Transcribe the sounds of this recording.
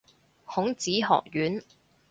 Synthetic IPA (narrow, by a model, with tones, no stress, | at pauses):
hʊ˨˥ŋt͡siː˨˥ɦɔ̰ː˨k̚jyː˨˥n